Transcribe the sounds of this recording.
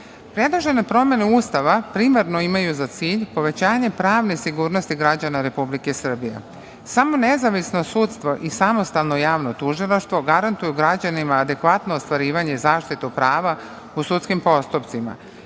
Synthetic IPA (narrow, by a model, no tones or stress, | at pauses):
pɾe̞d̪lˠoʒe̞nepɾo̞mje̞neuːst̪aʋapɾimaɾno̞imajuzat̪siːʎpo̞ʋe̞t͡ɕaːɲe̞pɾaːʋnesiɡuːɾno̞st̪iɡɾad͡ʑanaɾe̞publikesr̩bijḛ | samo̞nezaʋisno̞sut̪st̪ʋo̞ʔisamo̞st̪alˠno̞jaːʋno̞t̪uʒilˠaʃt̪ʋo̞ɡaɾant̪ujuɡɾad͡ʑanimaːd̪e̞kʋat̪no̞ost̪ʋaɾiːʋaɲe̞izaːʃt̪it̪upɾaːʋa | usut̪skimpo̞st̪upt̪sima̰